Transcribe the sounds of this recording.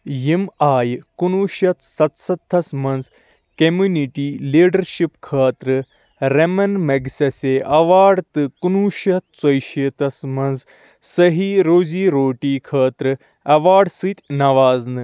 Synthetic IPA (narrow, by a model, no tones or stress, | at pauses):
jimaːjkunuːʃɐt̪sɐt̪sɐt̪ʰːɐsmɐnz | kɐmuniʈiːliːɖɐɾʃipkʰaːt̪ɾɨ | ɾemɐnmɐɡsɐseʔɐʋaːɖt̪ɨkunuːʃɐt̪̚t͡sɐjʃit̪ɐsmɐnz | sɐɦiːɾoːziːɾoːʈiːkʰaːt̪ɾɨ | ɐʋaːɖsɨt̪ʲnɐʋaːznɨ